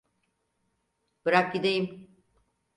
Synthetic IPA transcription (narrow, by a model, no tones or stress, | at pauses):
b̥ɯɾak̚ɟid̪ejim